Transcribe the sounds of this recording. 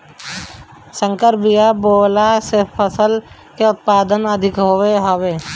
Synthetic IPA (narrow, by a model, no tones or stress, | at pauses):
sə̃ŋkəɾbijaboːlasepʰəsəl | keʊt̪̚paːd̪ənəd̪ʱɪkɦoʋeɦoʋeː